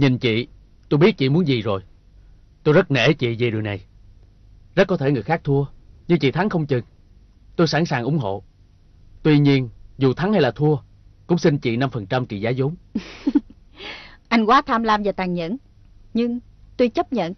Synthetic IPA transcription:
ɲi˨˩nt͡ɕḭ˧˨ | t̪o˧jɓi˦˥t̚t͡ɕḭ˧˨mu˨˦ənzi˨˩zo˨˩j | t̪o˧jzə˦˥t̚nḛ˧˩˦t͡ɕḭ˧˨zi˨˩ɗɨ˨˩əjna˨˩j | zə˦˥t̚kːɔ˨˦t̪ʰe˧˩ŋɨ˨˩əjxaː˦˥k̚t̪ʰu˧əɲɨ˧ŋt͡ɕḭ˧˨t̪ʰa˨˦ŋxə˧wŋ͡mt͡ɕɨ˨˩ŋ | t̪o˧jsa̰˧˥˩nsaː˨˩ŋʔʊ˨˦ŋ͡mɦo̰˧˨ | t̪wi˧ɲi˧ənzu˨˩t̪ʰa˨˦ŋha˧jlaː˨˩t̪ʰu˧ə | kʊ̰˧˥ŋ͡msi˧nt͡ɕḭ˧˨na˧mfə˨˩nt͡ɕa˧mt͡ɕḭ˧˨zaː˨˦zo˨˦m | ʔa˧jŋ̟kwaː˨˦t̪ʰaː˧mlaː˧mvaː˨˩t̪aː˨˩ŋɲə̰˧˨n | ɲɨ˧ŋ | t̪u˧jt͡ɕə˦˥p̚ɲə̰˧˨n

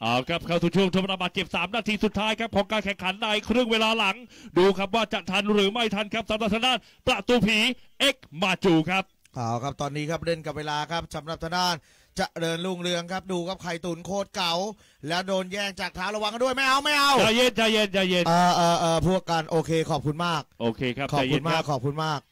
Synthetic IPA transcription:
ʔa̰ː˨˧˩wkʰa˦˥p̚kʰa˧˥˩wt̪u˨˩t͡ɕʰu˥˩əŋʰo˧˥p̚ɾa˧baː˨˩t̪̚t͡ɕe˨˩p̚saː˩˦mnaː˧t̪ʰiː˧su˨˩t̪ʰːaː˦˥jkʰa˦˥p̚kʰɔː˩˦ŋkaː˧nkʰɛ˨˩ŋkʰa˨˩˦nːa˧jkʰɾɯ˥˩ŋweː˧laː˧la˩˦ŋduː˧kʰa˦˥p̬̚waː˥˩t͡ɕa˨˩ʔt̪ʰa˧nɾɯː˩˦ma˥˩jt̪ʰa˧nkʰa˦˥p̚sa˨˦mɾa˨˩t̪ʰa˧˥daː˥˩n | pɾa˨˩t̪uː˧pʰiː˩˦ʔe˦˥k̚maː˧t͡ɕuː˧˩kʰa˦˥p̚ | ʔaː˧˩wkʰa˦˥p̚t̪ɔː˧nːiː˦˥kʰa˦˥p̚ɾe˥˩nka˨˩p̚weː˧laː˧kʰa˦˥p̚sa˩˦mɾa˨˩p̚t̪ʰa˧˦daː˥˩n | t͡ɕa˨˩ʔdɤː˧nlu˥˩ŋɾɯ˧əŋkʰa˦˥p̚duː˧kʰa˦˥p̚kʰa˨˩jt̪uː˩˦nkʰoː˥˩t̪̚ka˨˩˦w | lɛː˦˥wdoː˧njɛː˥˩ŋt͡ɕaː˨˩k̚t̪ʰaː˦˥wɾa˧wa˧˦ŋa˥˦du˥˩əjma˥˩jʔa˧˩wma˥˩jʔa˧˩wt͡ɕa˨˧˩je˧˥nt͡ɕa˨˧˩je˧nt͡ɕa˨˧˩je˧nɤː˧˩ʔɤː˧˩ʔɤː˧pʰu˥˩əkːa˧nʔoː˧kʰeː˧kʰɔː˨˩p̚kʰu˧nmaː˥˩k̚ʔoː˧kʰeː˧kʰa˦˥pkʰːɔː˨a˨˧˩jkʰu˧nmaaː˥˩kʰːɔː˨˩p̚kʰu˧nmaː˥˩k̚

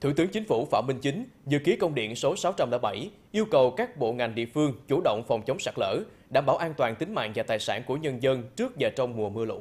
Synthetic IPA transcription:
t̪ʰṵ˧˩t̪ɨ˨˦əŋt͡ɕï˨˦ŋ̟fu˧˩fa̰ː˧˩wmï˧ŋ̟t͡ɕï˨˦ŋ̟zɨ̰˧˨ki˨˦əkə˧wŋ͡mɗḭ˧˨ənso˨˦sa˨˦wt͡ɕa˧mla̰ː˧˩ɓa˧˩j | ʔi˧əwkə˨˩wkaː˦˥k̚ɓo̰˧˨ŋa˨˩jŋ̟ɗḭ˧˨əfɨ˧əŋt͡ɕu˧˩ɗo̰˧˨wŋ͡mfɔ˨˩wŋ͡mt͡ɕə˨˦wŋ͡msa˦˥k̚lə̰ː˧˥ɗa̰ː˧˩mɓaː˧˩wʔaː˧nt̪waː˨˩nt̪ï˨˦ŋ̟ma̰ː˧˨nvaː˨˩t̪aː˨˩jsaː˧˩nku˧˩əɲə˧nzə˧nt͡ɕɨ˦˥ək̚vaː˨˩t͡ɕɔ˧wŋ͡mmu˨˩əmɨ˧əlṵ˧˥

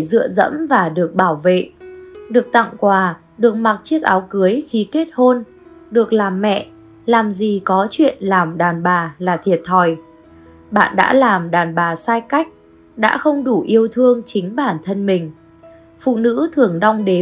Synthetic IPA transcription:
zɨ̰˧˨əzə̰˧˥mvaː˨˩ɗɨ˨˩ək̚ɓaː˧˩wvḛ˧˨ɗɨ˨˩ək̚t̪a̰˧˨ŋkwaː˨˩ | ɗɨ˨˩ək̚ma˨˩t̚t͡ɕi˦˥ək̚ʔaː˨˦wkɨ˨˦əjxi˨˦ke˦˥t̚ho˧n | ɗɨ˨˩ək̚laː˨˩mːɛ̰˧˨ | laː˨˩mzi˨˩kɔ˨˦t͡ɕwḭ˧˨ənlaː˨˩mɗaː˨˩nɓaː˨˩laː˨˩t̪ʰi˨˩ət̚t̪ʰɔ˨˧˩j | ɓa̰ː˧˨nɗa̰ː˧˥laː˨˩mɗaː˨˩nɓaː˨˩saː˧jka˦˥jk̟̚ | ɗa̰ː˧˥xə˧wŋ͡mɗu˧˩ʔi˧əwt̪ʰɨ˧əŋt͡ɕï˨˦ŋ̟ɓaː˧˩nt̪ʰə˧nmï˨˩ŋ̟ | fṵ˧˨nɨ̰˧˥t̪ʰɨ˨˩əŋɗɔ˧wŋ͡mɗe˨˦

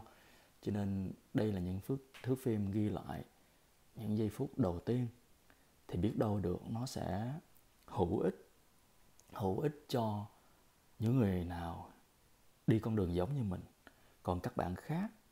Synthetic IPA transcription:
t͡ɕɔ˧ne˧nɗə˧jlaː˨˩ɲɨ̰˧˥ŋfɨ˦˥ək̚t̪ʰɨ˨˦ək̚fi˧mɣi˧la̰ː˧˨j | ɲɨ̰˧˥ŋzə˧jfu˦˥t̚ɗə˨˩wt̪i˧ən | t̪ʰi˨˩ɓi˦˥ət̚ɗə˧wɗɨ˨˩ək̚nɔ˨˦sɛ̰˧˥ | hu˧˩ʔï˦˥t̟̚ | hṵ˧˩ʔi˦˥t̚t͡ɕɔ˧ | ɲɨ̰˧˥ŋːɨ˨˩əjnaː˨˩w | ɗi˧kɔ˧nɗɨ˨˩əŋzə˨˦wŋ͡mɲɨ˧mï˨˩ŋ̟ | kɔ˨˩nkaː˦˥k̚ɓa̰ː˧˨nxaː˦˥k̚

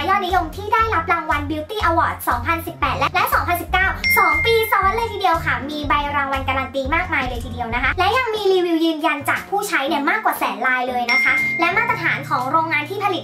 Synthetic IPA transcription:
jɔː˥˩t̪̚ni˦˥jo˧ŋt̪ʰiː˥˩daː˥˩jɾa˦˥p̚ɾaː˧ŋwa˧nbi˧˥wt̪iː˥˩ʔa˧wɔ̰ː˨˩t̪̚sɔː˩˦ŋpʰa˧nsi˨˩pːɛː˨˩t̪̚lɛ˦˥lɛ˦˥ʔsɔː˩˦ŋpʰa˧nsi˨˩p̚kaː˥˩wsɔː˩˦ŋpiː˧sɔː˨˩˦ŋwa˧˥nlɤəː˧jt̪ʰiː˨di˧əwkʰa˥˩miː˧ba˧jɾaː˧ŋwa˧nka˧ɾaː˧nt̪iː˧maː˥˩k̚maː˧jlɤː˧jt̪ʰiː˨˩di˧əwna˦˥kʰa˦˥lɛ˦˥ja˧ŋmiː˧liː˧wi˧wjɯː˧nja˧nt͡ɕaː˨˩k̚pʰuː˥˩t͡ɕʰa˦˥jni˥˩maː˥˩kwaː˨˩sɛ̰ː˩˦nlaː˧jlɤː˧jna˦˥kʰa˦˥lɛ˦˥maː˥˩t̪ːɾa˧t̪ʰa̰ː˩˦nkʰɔː˩˦ŋɾoː˧ŋːaː˧nt̪ʰiː˥˩pʰa˧li˨˩

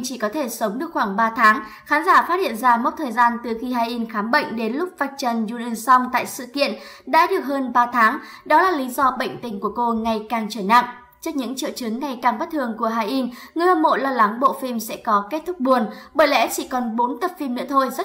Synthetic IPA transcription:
t͡ɕi˧˩kɔ˨˦t̪ʰe˧˩sə˨˦wŋ͡mɗɨ˨˩ək̚xwaː˧˩ŋɓaː˧t̪ʰaː˨˦ŋ | xaː˨˦nzaː˧˩faː˦˥t̚hḭ˧˨ənzaː˧mo˦˥t̚t̪ʰəː˨˩jzaː˧nt̪ɨ˨˩xi˧ɦaː˧jʔi˧nxaː˨˦mɓə̰˧˨jŋ̟ɗe˨˦nlʊ˦˥k͡p̚vaː˧˨˩jk̚t͡ɕə˨˩nzu˧ɗə˧˩nsɔ˧wŋ͡mt̪a̰ː˧˨jsɨ̰˧˨kḭ˧˨ən | ɗa̰ː˧˥ɗɨ˨˩ək̚həː˧nɓaː˧t̪ʰaː˨˦ŋ | ɗɔ˨˦laː˨˩li˨˦zɔ˧ɓə̰˧˨jŋ̟t̪ï˧˩ŋ̟ku˧˩əko˧ŋa˨˩jkaː˨˩ŋt͡ɕəː˧˩jna̰ː˧˨ŋʔ | t͡ɕɨ˦˥k̚ɲɨ̰˧˥ŋt͡ɕḭ˧˨wt͡ɕɨ˨˦ŋːa˨˩jkaː˨˩ŋɓə˦˥t̚t̪ʰɨ˨˩əŋku˧˩əɦaː˧jʔi˧n | ŋɨ˨˩əjʔəː˧˩mo̰˧˨laː˧la˨˦ŋɓo̰˧˨fi˧msɛ̰˧˥kɔ˨˦ke˦˥t̚t̪ʰʊ˦˥k͡p̚ɓu˨˩ənɓəː˧˩jlɛ̰˧˥t͡ɕi˧˩kɔ˨˩nɓo˨˦nt̪ə˨˩p̚fi˧mnɨ̰˧˥t̪ʰo˧jzə˦˥

